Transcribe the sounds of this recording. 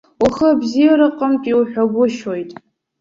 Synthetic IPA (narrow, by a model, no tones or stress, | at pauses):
aχəbzijaɾɨqʼəmtʷʼiwħʷᶣaɡʷʊʃo̞jtʼ